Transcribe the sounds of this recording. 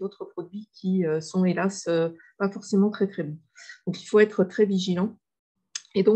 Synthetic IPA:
ot̪χəpχɔd̪ɥikʲʰiøsɔ̃elasø | pafɔʁsemɑ̃t̪χɛt̪χɛbɔ̃ | d̪̥ɔ̃kilfoɛt̪χət̪χɛviʒilɑ̃ | ed̪ɔ̃

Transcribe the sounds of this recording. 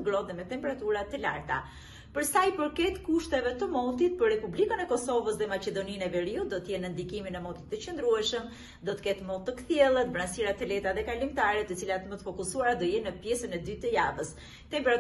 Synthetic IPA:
ɡɾɔðɛmɛt̪ɛmpɛɾat̪uɾat̪əla̰ɾt̪a̰ | pəɾsajpəɾkɛt̪kuʃt̪ɛvɛt̪əmɔnt̪it̪̚pəɾrːɛpublikənɛkɔsɔvəsðɛmaɛd̪ɔninɛvɛɾiud̪ɔt̪əjɛnənd̪ikiminɛmɔnt̪i̥t̪ːət͡ɕənd̪ɾuɛʃəm | d̪ɔt̪ə̥kɛt̪mɔt̪ːəkθjɛlˠət̪bɾansiɾat̪əlɛt̪aðɛkalimt̪aɾɛt̪ət͡silat̪əmət̪əfɔkusuaɾad̪ɔjɛnːəpjɛsənɛd̪yt̪ːəja̰vəs | t̪ɛmpɛɾa

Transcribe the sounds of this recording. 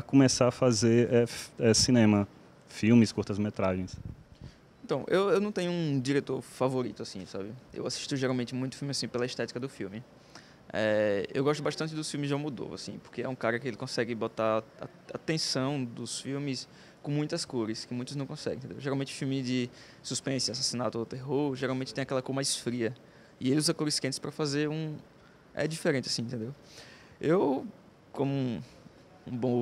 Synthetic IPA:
ɐkõmesaɐfazeɾɛɛsinẽmɐ | fiwmɪskuɾt̪ɐzmet̪ɾaʒẽj̃s | ẽt̪ɐ̃w̃ʔewewnɐ̃w̃t̪ẽɲʊũd͡ʒiɾet̪oɾfavoɾit̪ʊasĩsabɪḛwasi̥ʃt̪ʊʒeɾawmẽnt̪ɪmũj̃t̪ʊ̥fiumɪasĩpelɐist̪ɛt̪i̥kɐd̪ʊfiwmɪ | ɛḛwɡɔʃt̪ʊbaʃt̪ɐ̃nt͡ʃɪd̪ʊsfiwmɪsʒãmud̪o̰va̰sḭ̃po̥ɾkeɛũkaɾɐkɪelɪkõsɛɡɪbot̪aɾa̰ | at̪ẽsɐ̃w̃d̪ʊsfiwmɪs | kõmũj̃t̪ɐskoɾɪskɪmũj̃t̪ʊznɐ̃w̃kõsɛ̰ɡḛ̃t̪ẽd̪ḛowʒeɾawmẽnt͡ʃɪʊfiwmɪd͡ʒɪ | suspẽsɪasasinat̪ʊawt̪eɦoɾʒeɾawmẽt̪t͡ʃɪt̪ẽj̃akɛlɐkoɾmajsfɾiɐ | ɪelɪuzɐkoɾɪskẽt̪ɪspɾɐfazeɾũ | ɛ̰d͡ʒifeɾẽnt͡ʃɪasĩẽt̪ẽnd̪ew | ew | kõmʊ | ũbõ

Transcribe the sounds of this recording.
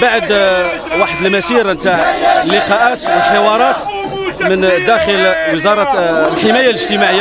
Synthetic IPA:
baʕd̪ | waħəd̪əlmæsiɾnt̪aʕəlːɪqɑʔæt̪wəlħewɑɾˤɑt̪ | mənd̪æxəlwəzɑɾˤɑlħemæjaləʒt̪əmaʕəjː

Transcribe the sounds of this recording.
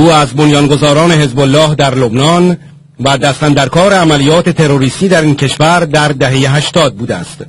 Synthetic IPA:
uːæzbonjɒːnɡo̞zɒːɾɒːne̞ɦe̞zbolːɒːhd̪æɾlo̞bnɒn | væd̪æst̪ænd̪æɾkʰɒːɾe̞æmælijɒːt̪ʰe̞t̪ʰe̞ɾoɾiːst̪iːd̪æɾiːncʰe̞ʃvæɾd̪æɾd̪æɦejeɦæʃt̪ɒːd̪̚buːd̪eæ̰st̪

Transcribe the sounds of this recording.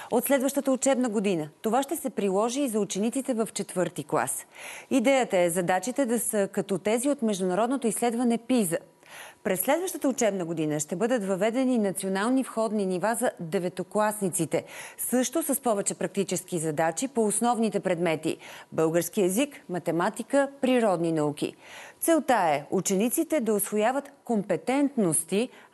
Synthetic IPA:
ot̪slɛd̪vəʃt̪ət̪əot͡ʃɛbnəɡod̪inət̪ovaʃt̪ɛsɛpɾilˠɔʒiːzɐut͡ʃɛnit̪sit̪ɛvəft͡ʃɛt̪vɤɾt̪iklˠa̰sid̪ɛjət̪əɛzɐd̪at͡ʃit̪ɛd̪ɐsəkɐt̪ot̪ɛziot̪mɛʒd̪ʊnɐɾɔd̪not̪oislɛd̪vɐnɛpizə | pɾɛsːlɛd̪vəʃt̪ət̪əʊt͡ʃɛbnəɡod̪inəʃt̪ɛbɤd̪ət̪vɐvɛd̪ɛninɐt̪sionalˠnifxɔd̪ninivazɐd̪ɛvɛt̪oklˠasnit̪sit̪ɛsɤʃt̪osəspɔvɛt͡ʃɛpɾɐk̚t̪it͡ʃɛskizɐd̪at͡ʃipoːsnɔvnit̪ɛpɾɛd̪mɛt̪ḭbɤlˠɡəɾskiɛzikmɐt̪ɛmat̪ikəpɾiɾɔd̪ninɐuk̟ḭt̪sɛlˠt̪aɛut͡ʃɛnit̪sit̪ɛd̪ɐosvojavət̪kompɛt̪ɛnt̪nost̪i

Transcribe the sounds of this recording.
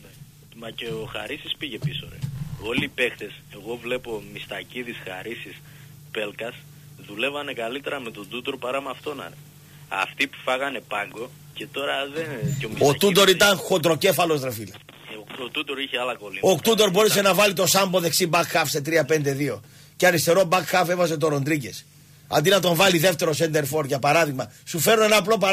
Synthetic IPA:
mɐceoxa̰ɾisispiʝe̞piso̰ɾḛo̞liːpe̞xt̪ese̞ɣo̞vle̞po̞mist̪ɐciðisxa̰ɾisis | pe̞lkɐs | ðule̞vɐne̞kalit̪e̞ɾɐme̞t̪o̞d̪ut̪o̞ɾpaɾɐmɐft̪o̞nɐ̰ɾe | ɐ̰ft̪ipu̥fɐɣɐne̞pɐŋɡo̞ | cet̪o̞ɾɐðenomiot̪ut̪o̞ɾit̪ɐŋxo̞t̪ɾo̞ce̞fɐlo̞zðɾefile | ot̪ut̪oɾiçeɐlɐkoliokt̪ut̪o̞ɾbo̞ɾese̞nɐvɐlit̪o̞sɐmbo̞ðe̞ksibɐkxɐfset̪ɾiɐpe̞nd̪e̞ðio̞ | ceɐɾist̪e̞ɾobɐkxɐfevɐs̬e̞t̪̬o̞ɾo̞nd̪ɾice̞s | ɐ̰nd̪inɐt̪o̞ɱvɐliðe̞ft̪e̞ɾo̞send̪e̞ɾfo̞ɾʝɐpɐɾɐðiɣmɐsufe̞ɾnoenɐplo̞pɐ

